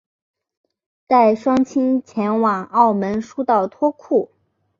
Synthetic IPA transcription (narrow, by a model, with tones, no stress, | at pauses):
t̪a˥˩ɪʂwɑ˥ŋt͡ɕʰi˥ŋt͡ɕʰjɛ˧˥nwɑ˨˩ŋɑ˥˩ʊmə˧˥nʂu˥t̪ɑ˥˩ʊt̪ʰwɔ˥kʰu˥˩